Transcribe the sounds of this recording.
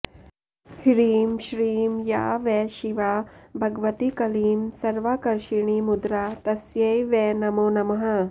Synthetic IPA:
hiɾiːmʃɾiːmja̰ːʋɛʃiʋabʱɐɡʋɐt̪ikɐliːmsɐɾʋakɐɾʃiɳimud̪ɾat̪ɐsjɐjʋɛnɐmoːnɐmɐɦɐ̆

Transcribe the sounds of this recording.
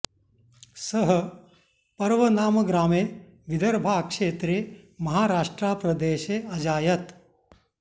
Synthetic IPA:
sɐɦɐ | pɐɾʋɐnaːmɐɡɾaːmeː | ʋid̪ɐɾbʱaːkʂeːt̪ɾeːmɐɦaːɾaːʂʈɾaːpɾɐd̪eːʃeɐd͡ʒaːjɐt̪

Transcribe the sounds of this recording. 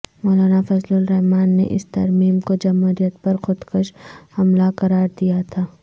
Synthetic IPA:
mɔːlaːnafɐzlʊlɾɛɦmaːnːḛʔɪ̰st̪ɐɾmiːmkod͡ʒɐmɦuːɾijət̪̚pɐɾxʊd̪kəʃhɐmlaqɐɾaːɾd̪ijat̪ʰaː

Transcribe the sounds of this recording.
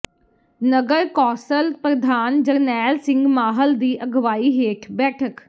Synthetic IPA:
nəɡəɾkɔːsəlpɾəd̪ʱaːnd͡ʒəɾnɛːlsɪ̃ŋɡmaːɦəld̪iːʔəɡʋaːiːɦeːʈʰbɛːʈʰək

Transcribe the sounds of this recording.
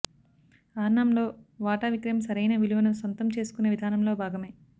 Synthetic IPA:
aːɾnaːmlo̞ːʋaːʈaːʋikɾɐjɐmsɐɾɐjnɐʋiluʋɐnusʋɐnt̪ɐmt͡ʃe̞ːsu̥kunːeʋid̪ʱaːnɐmlo̞ːbʱaːɡɐme̞ː

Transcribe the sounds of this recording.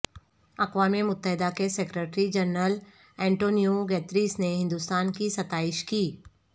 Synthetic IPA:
ɐqʋaːmemʊt̪ːəɦɪd̪akesekɾeʈɾid͡ʒɐɾnəl | ɛ̃ːɳʈoːnijoɡɛːt̪ɾiːsneɦɪ̃nd̪ʊst̪aːnkisɐt̪aːɪʃkiː

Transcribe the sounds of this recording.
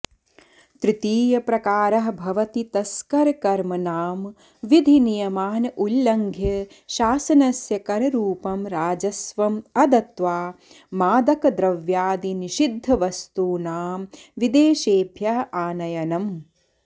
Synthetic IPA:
t̪ɾɪt̪iːjɐpɾɐkaːɾɐɦɐbʱɐʋɐt̪it̪ɐskɐɾɐkɐɾmɐnaːm | ʋid̪ʱinijɐmaːnɐʔulːɐŋɡʱjɐ | ʃaːsɐnɐsjɐkɐɾɐɾuːpɐmɾaːd͡ʒɐsʋɐmɐd̪ɐt̪ʋaː | maːd̪ɐkɐd̪ɾɐʋjaːd̪iniʃid̪ʱːɐʋɐst̪uːnaːmʋid̪eːʃeːbʱjɐɦɐʔaːnɐjɐnɐm

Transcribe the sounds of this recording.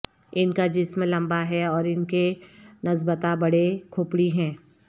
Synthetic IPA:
ɪnkad͡ʒɪsmẽlɐ̃mbaɦɛɔːɾɪnkenɐzbət̪abɐɽekʰʊpɽiɦɛ̃ː

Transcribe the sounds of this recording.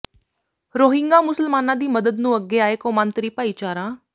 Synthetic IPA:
ɾoːɦɪ̃ŋɡaːmʊsəlmaːnãːd̪iːməd̪əd̪nũːəɡːeːaːeːkoːmãːnt̪ɾiːpaːiːt͡ʃaːɾãː

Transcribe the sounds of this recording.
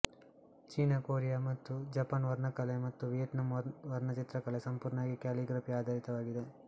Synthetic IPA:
t͡ʃiːnɐkoːɾijamɐt̪ːud͡ʒɐpɐnʋɐɾɳɐkɐlemɐt̪ːuʋijɐʈ̪nɐmʋɐɾɳɐt͡ʃit̪ɾɐkɐlesɐmpuːɾɳaːɡikaːliɡɾɐpiaːd̪ʱaːɾit̪ɐʋaːɡid̪e

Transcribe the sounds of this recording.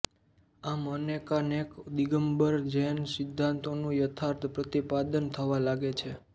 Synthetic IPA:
amənekanekd̪iɡəmbəɾd͡ʒensɪd̪ʱːãnt̪onũjət̪ʰaɾt̪ʰpɾət̪ipad̪ənt̪ʰəʋalaɡet͡ʃʰe

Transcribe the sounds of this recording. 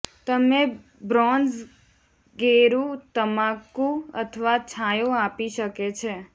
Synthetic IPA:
t̪əme | bɾɔ̃nz | ɡeɾũt̪əmãkũə̰t̪ʰəʋat͡ʃʰajoapiʃəket͡ʃʰe

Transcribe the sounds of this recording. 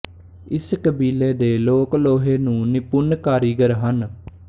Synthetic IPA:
ɪskəbiːleːd̪eːloːkloːɦeːnũːnɪpʊnkaːɾiːɡəɾɦən

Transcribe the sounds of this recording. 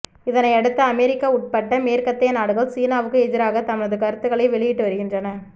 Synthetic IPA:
ɪðɐnɐɪɐɽɯt̪ːɐːmɛɾɪkːaːʊʈ̚pɐʈːɐmeːɾkɐt̪ːɐjɐnaːɽɯɣɐɭsiːnaːʋɯkːɯɛd͡ʒɪɾaːɣɐt̪ɐmɪɻɐðɯkɐɾɯt̪ːɯɣɐɭɐɪʋɛɭɪjɪʈːɯʋɐɾɯɣɪndrɐnɐ

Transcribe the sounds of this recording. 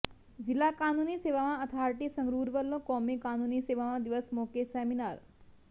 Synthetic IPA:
d͡ʒilːakanuniseʋamãət̪ʰaɾʈisəŋɡɾuːɾʋəlːõkɔmikanuniseʋamãd̪iʋəsmokeseminaɾ

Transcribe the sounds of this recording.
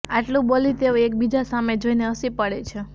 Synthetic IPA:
aʈlũbolit̪eoek̚bid͡ʒasamed͡ʒoineəsipəɽet͡ʃʰe

